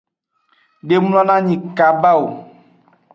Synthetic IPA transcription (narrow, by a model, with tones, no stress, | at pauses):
ɖe˨m˦lɔ̃˦nã˦ɲĩ˨ka˨ba˦wo˨